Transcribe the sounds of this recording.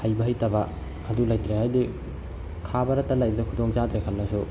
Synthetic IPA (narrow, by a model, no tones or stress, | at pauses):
hajbɐɦajtɐbɐ | ɐdulajtɾehajdi | kʰabɐɾɐtɐlajbɐdɐkʰudoŋzadɾekʰɐlnɐsu